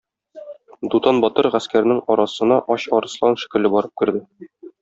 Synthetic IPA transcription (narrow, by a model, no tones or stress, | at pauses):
d̪ut̪ɑnbɒt̪ɤɾʁæskæɾɘ̆nɘŋɒɾɑsɤ̆nɑʔɒɕɒɾɤ̆slˠɑnʃɘ̥̆kɘ̆lɘbɒɾɤp̚kɘ̆ɾd̪ɘ